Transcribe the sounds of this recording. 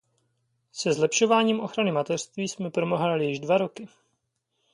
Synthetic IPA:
sɛzlɛpʃo̞vaːɲiːmʔo̞xɾanɪmat̪ɛr̥st̪viːsmɛpɾo̞moɦalɪjɪʒdvaɾo̞kɪ

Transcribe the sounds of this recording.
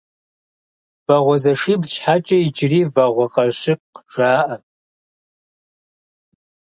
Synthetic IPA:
v̥ɐʁʷɔzɐʂiːbʃħat͡ʃʼɐid͡ʒriːvɐʁʷɔqʼɐʃɪp̚qʒʷaːʔɐ

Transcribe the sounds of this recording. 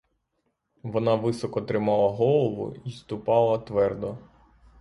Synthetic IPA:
ʋɔnɑʋɪsɔkɔt̪ɾɪmɑlˠɐɦɔlˠɔʋʊ̰ist̪ʊpɑlˠɐt̪ʋɛrd̪ɔ

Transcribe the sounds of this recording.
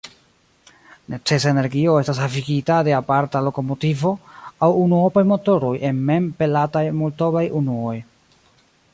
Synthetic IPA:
nʔe̞t͡se̞s̬aene̞ɾɡio̞e̞stas̬afiɡitade̞apaɾtalo̞ko̞mo̞tivo̞awunuopajmo̞to̞ɾo̞jʔe̞nme̞mpe̞latajmolto̞bajunuo̞j

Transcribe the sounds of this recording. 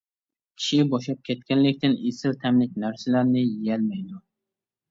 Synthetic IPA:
kʲʰi̥ʃɪbɒʃlap̚kʲʰet̪̚kʲanlɪkʲt̪ɪnesɪlt̪ʰamlɪkʲnaɾsalaɾnɪjijalmajd̪ʊ

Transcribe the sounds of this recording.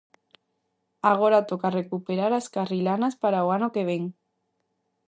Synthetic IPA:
aɣ̞oɾat̪okarekupeɾaɾaskarilanaspaɾaoanokeβ̞eŋ

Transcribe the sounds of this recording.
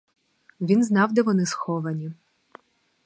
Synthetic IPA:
ʋʲinznɑwd̪ɛʋɔnɪsxɔʋɐnʲi

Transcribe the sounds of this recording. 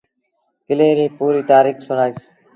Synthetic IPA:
kɪleːɾĩːpuːɾiːt̪aːɾiːkʰsʊnaːs

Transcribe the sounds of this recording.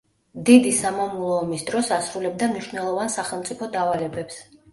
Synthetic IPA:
d̪id̪isamamulˠɔːmisd̪ɾɔsasɾulɛb̚d̪amniʃvnɛlˠɔvansaχɛlˠmt̪sʼipʰɔd̪avalɛbɛps

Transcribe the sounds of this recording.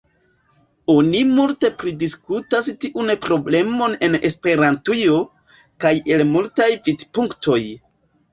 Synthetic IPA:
o̞nimulte̞pɾidiskutastiʔunpɾo̞ble̞mo̞ne̞ne̞spe̞ɾantujo̞ | kaje̞lmultajvidpuŋktʰo̞j

